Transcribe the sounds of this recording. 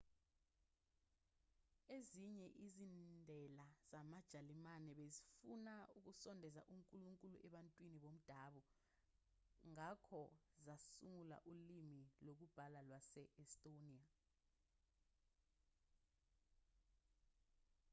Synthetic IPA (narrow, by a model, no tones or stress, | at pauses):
eziɲɛʔizindʱɛlaz̥amad̥ʒ̥ʱalimanɛɓezifunauk̬usɔndʱɛza̰ʔuŋkʼuluŋkʼuluʔɛɓantʼwiniɓom̩d̥ʱaːɓɔ | ŋakʰɔzasuŋula̰ʔulimilok̬ub̥ʱalalwasɛʔɛstʼoniːa